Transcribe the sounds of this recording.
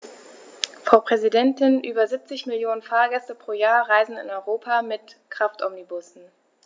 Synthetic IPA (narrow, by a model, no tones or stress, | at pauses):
fʁ̥aʊpʁ̥ɛzidɛntɪnʔyːbɐzip̚t͡sɪçmɪljoːnənfaːɐɡɛstəpʁ̥oːjaːɐʁaɪzn̩ɪ̰nɔʏʁoːpʰamɪtkʁ̥aftʔɔmnibʊsn̩